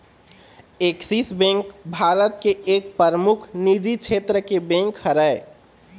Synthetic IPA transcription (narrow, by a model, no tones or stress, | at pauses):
eksisbẽŋkbʱaːɾət̪̚keeːk̚pəɾəmʊkʰnid͡ʒit͡ʃʰeːt̪ɾəkebẽŋkhəɾəe